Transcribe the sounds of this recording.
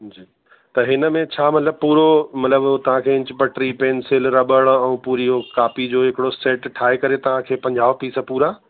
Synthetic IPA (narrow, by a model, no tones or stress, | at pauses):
d͡ʑiː | t̪ɐɦɪnə̆mẽt͡ɕʰaːmɐt̪ləb̚puːɾomɐt̪ləbt̪ɐʋ̤ãkʰeːɪ̃ɲt͡ɕɪpɐʈɾipeːnsɪlɾɐɓəɽ̃ɛ̃ũːpuːɾijokaːpid͡ʑoːɦɪkɪɽoseːʈʈʰaːekɐɾet̪ɐʋ̤ãkʰeːpɐ̃ɲd͡ʑaːʋpiːsəpuːɾaː